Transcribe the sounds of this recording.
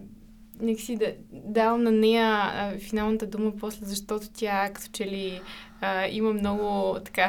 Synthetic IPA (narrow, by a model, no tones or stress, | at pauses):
nɛkə̥sid̪ɐd̪avəmnɐnɛjəfinalˠnət̪əd̪uməpɔslɛzɐʃt̪ɔt̪ʊ̥t̪ʲjakɐ̥t̪o̥t͡ʃɛliəiməmnɔɡʊt̪ɐ̥ka